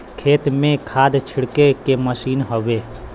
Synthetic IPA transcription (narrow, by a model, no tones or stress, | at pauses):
kʰeːt̪mẽkʰaːd̪t͡ʃʰɪɽkekeməʃiːnɦoʋeː